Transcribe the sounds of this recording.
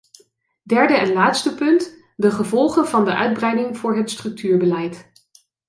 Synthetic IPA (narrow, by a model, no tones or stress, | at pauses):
dɛɹdəɛnlaːtstəpɵnt | dəχəvɔlˠχənvɑndəʔœ̰ɥd̚brɛjdɪŋvʊːɹɦətstrɵk̚tyːɹbəlɛjt